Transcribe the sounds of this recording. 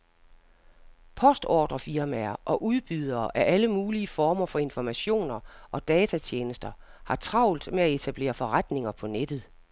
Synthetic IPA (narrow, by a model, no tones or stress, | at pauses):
pʰɒ̽sd̥ɒ̰ːd̥ʁɐfiɐmæɐʔɒ̽ʔuðˠb̥yð̞ˠɐːʔæʔæləmuːliəfɒːmɐfɒ̽e̝nfɒmæɕo̝̰ːnɐʔɒ̽d̥ɛːt͡sʰæt͡ɕʰjeːnəsd̥ɐhɑ̈t͡sʰʁɑ̈ʊ̰ld̥meæe̝t͡sʰæb̥le̝̰ːɐfɒ̽ʁad̥ne̝ŋɐpʰɒ̽ned̥ð̞̩ˠ